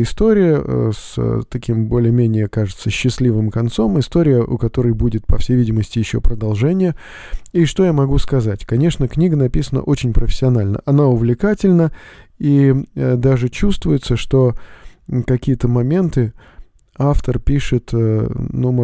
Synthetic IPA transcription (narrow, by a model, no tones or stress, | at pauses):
ɪst̪o̞ɾʲɪjə̰st̪ɐkʲimbo̞lʲɪjəmʲenʲɪjəkaʐɨt̪səɕːɪslʲivɨmkɐnt̪so̞mɪst̪o̞ɾʲɪjəʔʊ̰kɐt̪o̞ɾəjbudʲɪt̪̚pɐfsʲejvʲidʲɪməsʲtʲɪjɪɕːo̰pɾəd̪ɐlˠʐɛnʲɪjə | iʂt̪o̞jamɐɡuskɐzatʲkɐnʲe̞ʂnəknʲiɡənɐpʲisənə̰ʔo̞t͡ɕɪnʲpɾəfʲɪ̥sʲːɪɐnalʲnə̰ʔɐnaʊvlʲɪkatʲɪlʲnəid̪aʐɨt͡ɕust̪vʊjʊt̪səʂt̪o̞ | kɐkʲijət̪əmɐmʲe̞nt̪ɨ | aft̪ərpʲiʂɨt̪ənum